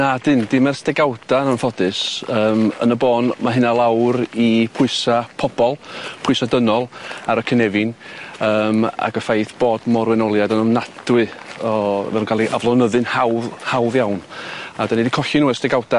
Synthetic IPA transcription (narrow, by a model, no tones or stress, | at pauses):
nadɨnd̥ɪmɛrstɛɡawdananfɔdɨsəːmə̰nəboːnmaɦɪnalˠawɾipʰʊɨsapʰɔb̥ɔlˠpʰʊɨsadənɔlˠaɾəkʰənɛvɪnəːma̰ɡəfajθb̥oːdmɔrwɛnɔlˠjadənəmnad̥wɨɔvɛ̰lˠunkalˠiʔavlˠɔnəðɨnhawðhawðjawnadanidikʰɔɬɪnuːɛstɛɡawda